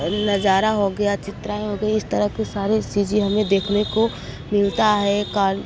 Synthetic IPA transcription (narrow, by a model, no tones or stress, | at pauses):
nɐd͡ʒaːɾaɦoɡɐjat͡ʃɪt̪ɾaːeɦoɡɐiɪst̪ɐɾəɦkesaːɾet͡ʃiːd͡ʒeɦɐmẽd̪eːkʰneko | mɪlt̪aɦɛkaː